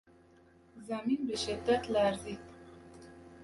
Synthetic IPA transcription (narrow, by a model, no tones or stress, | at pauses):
zaminbəʃɪd̪ːat̪laɾzit̪